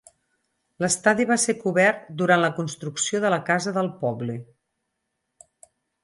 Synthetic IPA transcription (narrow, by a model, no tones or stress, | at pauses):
ləst̪aðiβ̞asekuβɛrt̪d̪uɾanləkunst̪ɾuksioðələkazəðəlˠpɔβlə